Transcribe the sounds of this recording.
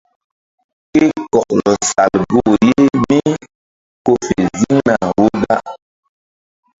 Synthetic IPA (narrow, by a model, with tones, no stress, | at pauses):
ki˦kɔ˨k̚lɔ˨sa˨lɡo˦˨je˦mi˦ | ko˦fe˨zi˦ŋna˨wo˦ɗa˦